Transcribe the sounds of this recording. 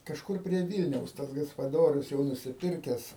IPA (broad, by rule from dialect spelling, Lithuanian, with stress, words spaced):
kɐʃˈkʊr pʲrʲiɛ ˈʋʲiːlʲnʲɛʊs ˈtɐs ɡɐspɐˈdoːrʲʊs jɛʊ nʊsʲɪˈpʲɪrʲkʲɛs